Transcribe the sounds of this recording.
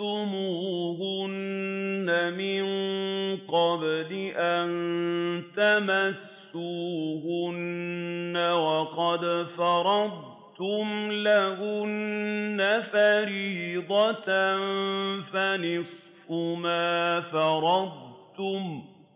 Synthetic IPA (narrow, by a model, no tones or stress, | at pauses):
t̪ʊmuːhʊnː | amɪŋqɑblɪʔant̪amasːuːhʊnː | awɑqɑd̪fɑɾˤɑd̪̚ˤ | t̪ʊmlahʊnnːafaɾiːd̪ˤɑtnfanɪsˤ | fʊmaːfɑɾˤɑd̪̚ˤt̪ʊm